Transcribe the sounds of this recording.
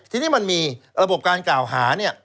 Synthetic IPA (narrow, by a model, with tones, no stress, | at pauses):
t̪ʰiː˧niː˦˥ma˧nmiː˧ɾa˧bo˨˩p̚kaː˧nklaː˨˩wɦaː˩˦ni˥˩ɐ